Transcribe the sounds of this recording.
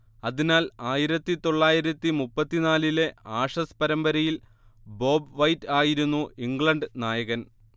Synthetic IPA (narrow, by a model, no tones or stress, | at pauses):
ɐðinaːlaːjiɾɐt̪ːit̪o̞ɭːaːjiɾɐt̪ːimupːɐt̪ːinaːlile̞aːʂɐspɐɾɐmbɐɾɐjil | bo̞ːbʋɐjtːaːjiɾunːuiŋɡɭɐɳɖɨnaːjɐɣɐn